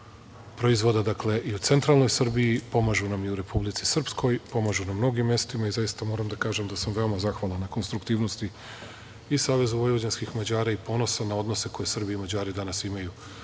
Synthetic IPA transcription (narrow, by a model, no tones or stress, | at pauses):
pɾo̞izʋo̞d̪ad̪akle̞ʔiut̪se̞nt̪ɾalˠno̞jsr̩bijipo̞maʒunamiuɾe̞publit̪si̥sr̩psko̞jpo̞maʒunamːno̞ɡimːe̞st̪imaizajist̪amo̞ːɾamd̪akaːʒe̞md̪asamʋe̞o̞mazaxʋalˠanːako̞nst̪ɾukt̪iːʋno̞st̪i | isaːʋe̞zubojood͡ʑenskixmad͡ʑaːɾaipo̞no̞sanao̞d̪no̞se̞ko̞je̞sr̩biimad͡ʑaːɾid̪anasimaju